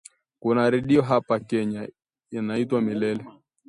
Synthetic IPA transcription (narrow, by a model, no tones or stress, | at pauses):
kunaɾɛɗiɔɦapakɛɲa | inaitwamilɛlɛ